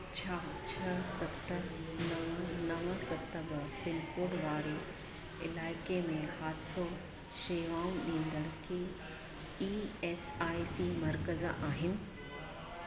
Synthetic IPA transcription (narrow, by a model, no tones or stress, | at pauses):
t͡ɕʰaːt͡ɕʰɐsɐt̪ənɐʋənɐʋə̃sɐt̪əbɐpɪnkoːɽʋaːɾe | ɪlaːɪkemẽhaːd̪ɪso | ʃeːʋãːnɗĩːnd̪əɽ̃kʰe | iːɛːsaːisimɐɾkəz̰ʔaːɦɪnɪ̆